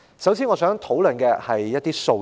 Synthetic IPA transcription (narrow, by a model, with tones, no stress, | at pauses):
sɐ˨˥wsi˨˥nŋɔː˨˧sœː˨˥ŋt̪ʰo˨˥wlɵ˨˩nkɛː˧hɐ˨jːɐ˥t̚t̪iː˥so˧